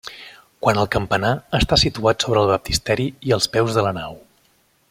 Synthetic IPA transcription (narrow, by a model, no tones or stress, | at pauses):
kwanəlˠkəmpənaəst̪asit̪uat̪soβɾəːlˠβəp̚t̪ist̪ɛɾiiəlˠspɛwzðələnaw